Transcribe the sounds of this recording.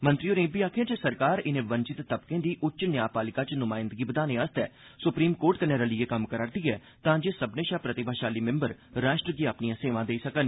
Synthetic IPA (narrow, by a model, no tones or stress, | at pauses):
mənt̪ɾiːoːɾẽːbiːaːkʰijãːd͡ʒesəɾkaːɾɪnẽːʋənt͡ʃɪt̪ːəbkẽːd̪iːʔʊtːt͡ʃnjaːpaːlɪkaːt͡ʃnʊmaːɪ̃nd̪əɡiːbəd̪aːnẽːəst̪ɛː | sʊpɾiːmkoːɾʈk̪ənẽːɾəlieːkəmkəɾaːɾd̪iːɛː | t̪ãːd͡ʒeːsəbnẽːʃaːpɾət̪ɪbʱaːʃaːliːmɪ̃mbəɾɾaːʃʈɾəɡiːapnijãːseːʋãːd̪eiːsəkən